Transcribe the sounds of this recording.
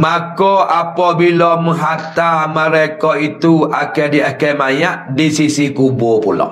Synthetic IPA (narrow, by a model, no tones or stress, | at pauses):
makɔʔapɔbilɔməɦat̪aməɾekɔit̪uakɛdiakɛmajaʔdisisikubʊpulɔ̰